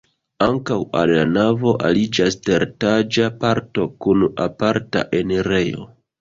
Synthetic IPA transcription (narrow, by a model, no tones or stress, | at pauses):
aŋkawa̰lːanavo̞ʔa̰lid͡ʒaste̞ɾtad͡ʒapaɾto̞kunapaɾta̰ʔeneɾejo̰